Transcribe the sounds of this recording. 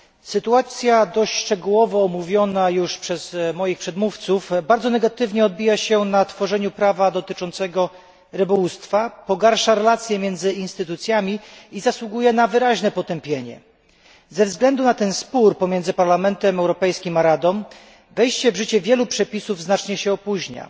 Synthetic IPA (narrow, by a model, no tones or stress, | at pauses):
sɘt̪uat̪sʲjad̪ɔɕʂt͡ʂɛɡuwɔvɔːmuvʲjɔnajuʂpʂɛz̥mɔjixpʂɛd̪muft̪sufbaɾd̪zɔnɛɡat̪ɘvɲɛɔd̪̚bʲijaɕɛnat̪fɔʐɛɲupɾavad̪ɔt̪ɘt͡ʂɔnt̪sɛɡɔ | ɾɘbɔwust̪fapɔɡaɾʂaɾɛlat̪sʲjɛmʲjɛnd̪zɘinst̪ɘt̪ut̪sʲjamʲiizaswuɡujɛnavɘɾaʑnɛpɔt̪ɛmpʲjeɲɛ̰ | zɛvzɡlɛnd̪unat̪ɛnspuɾpɔmʲjɛndzɘpaɾlamɛnt̪ɛmɛwɾɔpɛjskʲimaɾad̪ɔm | vɛjɕt͡ɕɛvʐɘt͡ɕɛvʲjɛlupʂɛpʲisuvznat͡ʂɲɛɕɛɔpuʑɲa̰